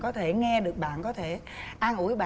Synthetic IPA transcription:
kɔ˨˦t̪ʰe˧˩ŋɛ˧ɗɨ˨˩ək̚ɓa̰ː˧˨nkɔ˨˦t̪ʰe˧˩ | ʔaː˧nʔu˧˩əjɓa̰˧˨

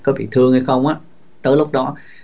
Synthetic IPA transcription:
kɔ˨˦ɓḭ˧˨t̪ʰɨ˧əŋha˧jxə˧wŋ͡mʔaː˨˧˥ | t̪əː˨˦jlʊ˦˥k͡p̚ɗɔ˨˦

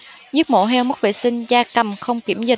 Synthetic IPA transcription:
zi˦˥ək̚mo̰˧˥˦ɦɛ˧wmə˦˥t̚vḛ˧˨sï˧ŋ̟zaː˧kə˨˩mxə˧wŋ͡mki˧˩əmzï˨˩

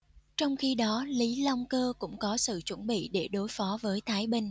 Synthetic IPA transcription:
t͡ɕɔ˧wŋ͡mxi˧ɗɔ˨˦li˨˦la˧wŋ͡mkəː˧kʊ̰˧˥ŋ͡mkɔ˨˦sɨ̰˧˨t͡ɕwə˧˩nɓḭ˧˨ɗe˧˩ɗo˨˦jfɔ˨˦vəː˨˦jt̪ʰaː˨˦jɓi˧ŋ̟

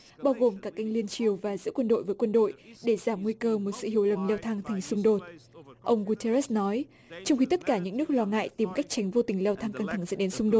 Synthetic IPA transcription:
ɓaː˧wɣo˨˩mkaː˦˥kːa˧jŋ̟li˧ənt͡ɕi˨˩əwvaː˨˩zɨ̰˧˥kwə˧nɗo̰˧˨jvəː˨˦jkwə˧nɗo̰˧˨jɗe˧˩zaː˧˩mŋwi˧kəː˧mo˨˩t̚sɨ̰˧˨ɦi˧˩˨əwlə˨˩mlɛ˧wt̪ʰa˧ŋt̪ʰa˨˩jŋ̟sʊ˧ŋ͡mɗo˨˩t̚ʔə˧wŋ͡mɣu˧t̪ʰe˧ɾɛ˦˥snɔ˨˦j | t͡ɕɔ˧wŋ͡mxi˧t̪ə˦˥t̚kaː˧˩ɲɨ̰˧˥ŋnɨ˦˥ək̚lɔ˧ŋa̰ː˧˨jt̪i˨˩mka˦˥jk̚t͡ɕa˨˦jŋ̟vo˧t̪ï˨˩ŋlɛ˧wt̪ʰa˧ŋka˧ŋt̪ʰa˧˩ŋzə̰˧˥nɗe˨˦nsʊ˧ŋ͡mɗo˨˩t̚

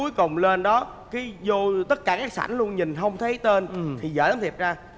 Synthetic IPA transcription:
u˨˦jkʊ˨˩wŋ͡mle˧nɗɔ˨˦ | kaː˨˦jzo˧t̪ə˦˥t̚kaː˧˩kaː˦˥k̚sa̰˧˩nlu˧ənɲï˨˩ŋ̟ɦə˧wŋ͡mt̪ʰə˨˦jt̪e˧nt̪ʰi˨˩zə̰ː˧˩za˨˦mt̪ʰi˨˩p̚zaː˧

